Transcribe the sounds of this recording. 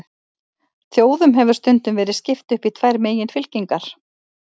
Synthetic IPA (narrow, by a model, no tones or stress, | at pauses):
θjoːwðʏmɦɛvʏ̥st̪ʏnt̪ʏmvɛːɾɪðscɪft̪ʏhpit̪ʰvajɾmeːjɪnfɪlciŋkaɾ̥